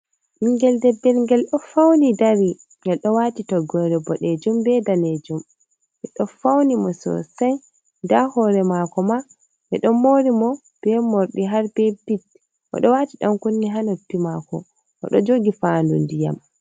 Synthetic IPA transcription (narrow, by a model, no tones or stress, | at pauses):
ʔiŋɡɛldɛbːɛlŋɡɛlɗɔfawnidaɾi | ŋɡɛlɗɔwatitɔɡɔɾɛbɔɗɛd͡ʒumbɛdaned͡ʒum | ʔɛɗɔfawnimɔsɔ̰sɛj | dahɔɾɛmakɔma | ʔɛɗɔmoɾimɔ | b̥ɛmoɾɗiɦaɾbɛbit̚ | ʔɔ̰ɗɔwatiɗamkunːiɦanotːimakɔ̰ | ʔɔ̰ɗɔd͡ʒoɡifandṵndija̰m